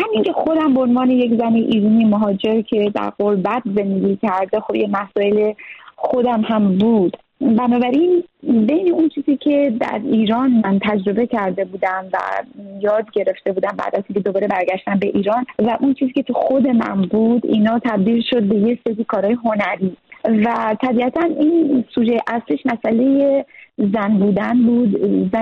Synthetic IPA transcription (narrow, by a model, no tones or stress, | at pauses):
hæmiŋcʰe̞xo̞d̪æmboonvɒːne̞jekzæneʔiɾunimoɦɒːd͡ʒe̞ɾcʰe̞d̪æ̰ɾɢoɾbæt̪ze̞nd̪eɡʲicʰæɾd̪exobjemæsɒːjele̞xo̞d̪æmhæmbuːd̪̥ | bænɒːbæɾinbe̞jneunt͡ʃʰiːziːcʰe̞d̪æ̰ɾiːɾɒːnmænt̪ʰæd͡ʒɾo̞be̞cʰæɾd̪e̞buːd̪æmvæ̰jɒːd̪ɟe̞ɾe̞ft̪e̞buːd̪æmbæ̰ːd̪æziːŋkʰe̞d̪o̞bɒːɾe̞bæɾɡæʃt̪æmbe̞ʔiːɾɒːnvæʔunt͡ʃʰiːziːcʰe̞t̪ʰuxo̞d̪e̞mæ̰nbuːd̪ḭːnɒːt̪ʰæbd̪iːlʃo̞d̪̚be̞je̞se̞ɾiːkʰɒːɾɒːjeɦo̞næɾiːvæt̪ʰæbiæt̪ʰæninsuʒejʔæsliʃmæsʔæle̞jezænbuːd̪ænbuːd̪zæ